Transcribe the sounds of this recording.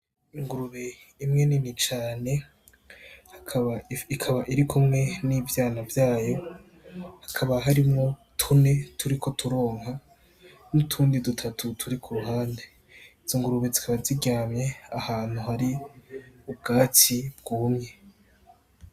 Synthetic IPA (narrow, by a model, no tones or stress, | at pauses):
iŋɡuɾuβe | imŋe̞ninit͡ʃaːne̞ | kʰβaikʰaβaʔiɾikʰumŋe̞nivjaːnavjaːjo̞ | hakʰaβaɦaɾimŋo̞tʰune̞tʰuɾikʰo̞tʰuɾo̞ːŋɦa | nutʰuːndidutʰatʰutʰuɾikʰuɾuɦaːnde̞ | izoŋɡuɾuβezikʰaβaziɡaːmɲe̞ahaːn̥huhaɾi | ub̚ɡaːtib̚ɡumɲe̞